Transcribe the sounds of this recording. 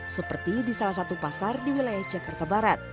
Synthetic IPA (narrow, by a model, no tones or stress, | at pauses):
səpərt̪idisalahs̬at̪upasardiwilajahd͡ʒakart̪abaɾat̪̚